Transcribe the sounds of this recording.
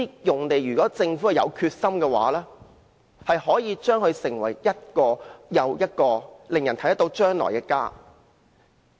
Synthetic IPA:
i˥jʊ˨˩ŋt̪e˨jɥyː˨˩kɔː˨˥t͡sɪ˧ŋfu˨˥hɐ˨jɐ̰˨˧wkʰyː˧t̚sɐ˥mkɛː˧wa̰ː˨˥lɛː˥ | hɐ˨jhɔː˨˥jiː˨˧t͡ʃœː˥ŋhɵ˨˧ɥsɪ˨˩ŋwɐ˨˩jjɐ˥t̚kɔː˧jɐ˨˧wjɐ˥t̚kɔː˧lɪ˨ŋjɐ˨˩nt̪ʰɐ˦˥t̪ɐ˥t̪o˨˧˥wt͡ʃœː˥ŋlɔ̰ː˨jkɛː˧ka̰ː˥

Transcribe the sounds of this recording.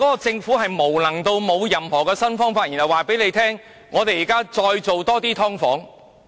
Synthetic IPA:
kɔː˨˥kɔ˧t͡sɪ˧ŋfuː˨˥ɦɐ˨jmo˨˩wlɐ˨˩ŋt̪o˧wmo˨˧wjɐ˨˩mhɔː˨˩kɛː˧sɐ˥nfɔː˥ŋfaː˧t̚ji˨nɦɐ˨˩waː˨pe˨˥jle˨˧jt̪ʰɛː˥ŋː | ɔː˨˧t̪e˨jiː˨˩kaː˥t͡ʃɔː˧jt͡so˨wt̪ɔː˥t̪iː˥t̪ʰɔː˥ŋfɔː˨˥ŋ

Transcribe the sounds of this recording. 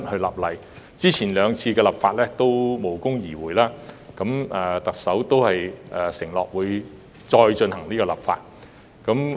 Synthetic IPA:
t̚hɵ˧ɥlɐː˨˩p̚lɐ˨˩j | t͡siː˥t͡sʰiː˨˩nlœː˨˧ŋt͡sʰiː˧kɛː˧lɐ˨p̚faː˧t̚lɛː˥t̪o˥wmo˨˩wkʊ˥ŋjiː˨˩wuː˨˩jlaː˥kɐ˨˥mɛː˨t̪ɐ˨k̚sɐ˨˥wt̪o˥whɐ˨jɛː˨˩sɪ˨˩ŋlɔː˨k̚wuː˨˧j | t͡sɔː˧jt͡ʃɵ˧nhɐ˨˩ŋniː˥kɔː˧lɐ̰˨p̚fa̰ː˧t̚ | kɐ˨˥m

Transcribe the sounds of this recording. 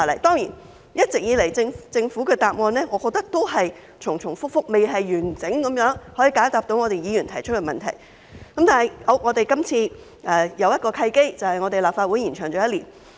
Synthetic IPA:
a˨˩lɐ˨˩jt̪ɔː˥ŋjiː˨˩n | jɐ˥t̚t͡sɪ˨k̚jiː˨˧le˨˩jt͡sɪ˧ŋt͡sɪ˧ŋfuː˨˥kɛː˧t̪aː˨p̚ŋɔː˧nlɛː˥ŋɔ˨˧kɔː˧k̚t̪ɐ˥k̚t̪o˥wɦɐ˨j | t͡sʰʊ˨˩ŋt͡sʰʊ˨˩ŋfʊ˥k̚fʊ˥k̚me˨jɦɐ˨jɥyː˨˩nt͡sɪ˨˥ŋkɐ˨˥mjœː˨˥ŋhɔ˨˥jiː˧kaː˨˥t̪aː˨p̚t̪o˨˥wŋɔː˨˧ɾe˨jiː˨˧jyː˨˩nt̪ʰɐ˨˩jt͡ʃʰɵ˥t̚kɛ˧mɐ˨nt̪ʰɐ̰˨˩j | kɐ˨˥mt̪aː˨˩ɐ˨˩jo˨˧˥ŋɔː˨˧t̪e˨jkɐ˥mt͡sʰiː˧ | ʔɛː˨˧jɐ˨˧wjɐ˥t̚kɔː˧kʰɐ˧jke˥jt͡sɐ˨whɐ˨jŋɔː˨˧t̪e˨jlaː˨p̚faː˧wuː˨˥jiː˨˩nt͡ʃʰœː˨˩ŋt͡ʃɔː˨˥jɐ˥t̚lḭː˨˩n

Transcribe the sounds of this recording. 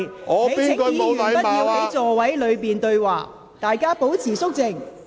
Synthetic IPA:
ŋɔː˨˧e˨jiː˥n˨kɵ˧m˧˨wɐ˨˦jpɐ˥t̚ji˨˧wɐ˨˥jt͡sɔː˨˧wɐ˨˥jlɵ˨˧ɥpiː˨˩nt̪ɵ˧ɥwaː˨˩ | t̪aː˨jkaː˥po˨˥wt͡sʰiː˨˩sʊ˥k̚t͡sɪ˧˩ŋ

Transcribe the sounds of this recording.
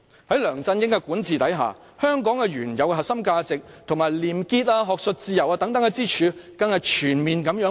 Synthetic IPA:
hɐ˨˥jlœː˨˩ŋt͡sɐ˧njɪ˧˥ŋkɛ˧kuː˨˥nt͡siː˨˧t̪ɐ˨˥jɦa̰ː˨˩ | hœː˥ŋkɔː˨˥ŋkɛ˧ɥyː˨˩njɐ˨wkɛ˧ɦɐ˨˩ksɐ˥mkaː˧t͡sɪ˨k̚t̪ʰʊ˨˩ŋmaː˨jliː˨mkiː˧t̚aː˧ɦɔː˨k̚sɵ˨˧t̚t͡siː˧jɐ˨˩waː˧t̪ɐ˨˥ŋt̪ɐ˨˥ŋkɛ˧t͡siː˥t͡ʃʰyː˨˧kɐ˧ŋhɐ˨˧kt͡ʃʰyː˨˩nmiː˨nkɐ˨˥mjœː˨˥

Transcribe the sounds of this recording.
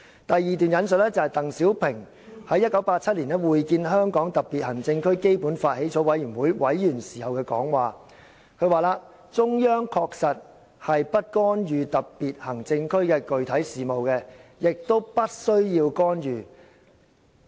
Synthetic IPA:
t̪ɐ˨jːiː˨˧t̪yː˨njɐ˨˧nsɵ˨t̚lɛː˥t͡sɐ˨hɐ˨jt̪ɐ˨ŋsiː˨˥wpʰɪ˨˩ŋ | hɐ˨˥jɐ˥t̚kɐ˨˥wpaː˧t̚t͡sʰɐ˥t̚liː˨˩nɛ˥wuː˨jkiː˧nɦœː˥ŋkɔː˨˥ŋt̪ɐ˨p̚pːiː˨t̚hɐ˨˩ŋt͡sɪ˧ŋkʰɵ˥ɥke˥jpuː˨˥nfaː˧t̚he˨˥jt͡sɔː˨˥wɐ˨˥jyː˨˩nwuː˨˥jwʔɐ˨˥jːyː˨˩nsiː˨˩hɐ˨wkɛː˧kɔ̰ː˨˥ŋwaː˨ | kʰɵ˧ɥwaː˨˧laː˧ | t͡sʊ˥ŋjœː˥ŋkʰɔː˧k̚sɐ˨t̚ | hɐ˨jpɐ˥t̚kɔː˥njyː˨t̪ɐ˨p̚piː˨t̚hɐ˨˩ŋt͡sɪ˧ŋkʰɵ˥ɥkɛː˧kɵ˨ɥt̪ʰɐ˨˥jsiː˨mo˨wkɛː˧jɪ˨k̚t̪o˥wpɐ˥t̚sɵ˥ɥjiː˧wkɔː˥njyː˨

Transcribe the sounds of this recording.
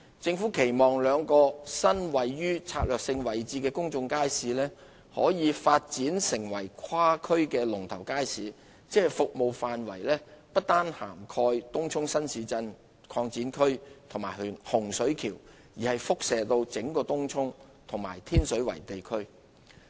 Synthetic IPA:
t͡sɪ˧ŋfuː˨˥kʰe˨˩jmɔː˨˩ŋlœː˨˧ŋkɔː˧sɐ˥nwɐ˨˩jːyː˥t͡sʰaː˧k̚lœː˨k̚sɪ˧ŋwɐ˨˩jt͡siː˧kɛː˧kʊ˥ŋt͡sʊ˧ŋkaː˥jsiː˨˧lɛː˥ | hɔ̰ː˨˥jiː˨˧faː˧t̚t͡siː˨˥nsɪ˨˩ŋwɐ˨˩jkʰwaː˥kʰɵ˥ɥkɛː˧lʊ˨˩ŋt̪ʰɐ˨˩wkaː˥jsiː˨˧ | t͡sɛː˥˨jfʊ˨k̚mo˨˧wfaː˨nwɐ̰˨˩jlɛː˥pɐ˥t̚t̪aː˥nha̰ː˨˩mkʰɔː˧jt̪ʊ˥ŋt͡sʰʊ˥ŋsɐ˥nsiː˨˧t͡sɐ˧n | kʰɔː˧ŋt͡siː˨˥nkʰɵ˥ɥt̪ʰʊ˨˩ŋmaː˨˩jhhʊ˨˩ŋsɵ˨˥ɥkʰiː˨˩w | jiː˨˩hɐ˨jfʊ˥k̚sɛː˨t̪o˧wt͡sɪ˨˥ŋkɔː˧t̪ʊ˥ŋt͡sʰʊ˥ŋ | t̪ʰʊ˨˩ŋmaː˨˩jt̪ʰiː˥nsɵ˨˥ɥwɐ̰˨˩jt̪e˨jkʰɵ˥ɥ

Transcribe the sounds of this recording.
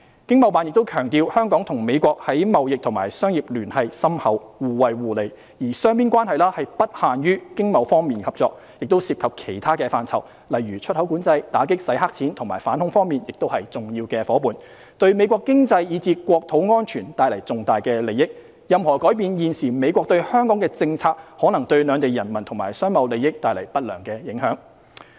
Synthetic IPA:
kɪ˥ŋmɐ˨˧wpaː˨njɪk̚t̪wkʰœː˨˩ŋt̪iː˧whœː˥ŋkɔː˨˥ŋt̪ʰʊ˨˩ŋme˨˧jkʷɔː˧k̚hɐ˨˥jmɐ˨wjɪ˨k̚t̪ʰʊ˨˩maː˨˩jsœː˥ŋjiː˨p̚lyː˨˩nhɐ˧jsɐ˥mhɐ˨˥wwuː˨wɐ˨jwuː˨le˨j | jiː˨˩sœː˥ŋpiː˥nkʷwaː˥nhɐ˨jlaː˥hɐ˨jpɐ˥t̚haː˨njyː˥kɪ˥ŋmɐ˨˧wfɔː˥ŋmiː˨nkʰɐ˨p̚t͡ʃɔː˧k̚ | jɪ˨k̚t̪o˥wsiː˧p̚kʰɐ˨p̚kʰe˨˩jt̪ʰaː˥kɛː˧faː˧nt͡sʰɐ˨˩w | lɐ˨jɥyː˨˩t͡ʃʰɵ˥t̚hɐ˨˥wkuː˨˥nt͡sɐ˧jt̪aː˨˥k̬ɪ˥k̚sɐ˨˥jɦaː˥k̚t͡sʰiː˨˥nt̪ʰʊ˨˩ŋma̰ː˨˩jfa̰ː˨˥nhʊ˨˥ŋfɔː˥ŋmiː˨njɪ˨k̚t̪o˥whɐ˨jt͡sʊ˨ŋjiː˧wkɛː˧fɔː˨˥puː˨˩n | t̪ɵ˧ɥme˨˧jkʷɔː˧kːɪ˥ŋt͡sɐ˧jjiː˨˧t͡siː˧kʷɔː˧k̚t̪ʰo˨˥wŋɔː˥nt͡ʃʰyː˨˩nt̪aː˧jlɐ˨˩jt͡sʊ˨ŋt̪aː˨jkɛː˧le˨˩jɪ˥k̚ | jɐ˨mhɔː˨˩kɔː˨˥jpiː˨njiː˨nsiː˨˩me˨˧jkʷɔː˧k̚t̪ɵ˧ɥhœː˥ŋkɔː˨˥ŋkɛː˧t͡sɪ˧ŋt͡sʰaː˧k̚hɔː˨˥nɐ˨˩ŋt̪ɵ˧ɥlœː˨˧ŋt̪e˨jɐ˨˩nmɐ˨˩nt̪ʰʊ˨˩ŋmaː˨jsœː˥ŋmɐ˨˧wle˨jɪ˥k̚t̪aː˧jlɐ˨˩jpɐ˥t̚lœː˨˩ŋkɛː˧jɪ˨˥ŋhœː˨˥ŋ

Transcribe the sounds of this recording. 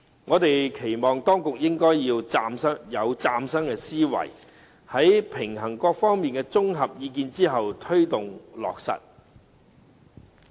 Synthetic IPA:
ŋɔː˨˧t̪e˨jkʰe˨˩jmɔː˨˩ŋt̪ɔː˥ŋkʊ˨k̚jɪ˥ŋkɔː˥jjiː˧wt͡saː˧msɐ˥ŋjɐ˨˧wt͡saː˧msɐ˥ŋkɛː˧siː˥wɐ̰˨˩j | hɐ˨˥jpʰɪ˨˩ŋɦɐ˨˩ŋkɔː˧k̚fɔː˥ŋmiː˨nkɛː˧t͡sʊ˥ŋɦɐ˨p̚jiː˨˧k̬iː˧nt͡siː˥ɦɐ˨wt̪ʰɵ˥ɥt̪ʊ˨ŋlɔ̰ː˨k̚sɐ̰˨t̚

